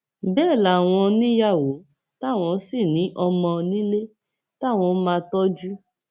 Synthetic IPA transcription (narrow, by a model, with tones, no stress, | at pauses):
bɛː˦˨la˨˦˨w̃ɔ̃˧nĩ˦ja˦˨wo˨˦ | ta˦˨w̃ɔ̃˧˦si˦˨nĩ˨˦ʔɔ˧mɔ̃˧nĩ˦le˦ | ta˦˨w̃ɔ̃˧˦mãː˧tɔ˦d͡ʒu˦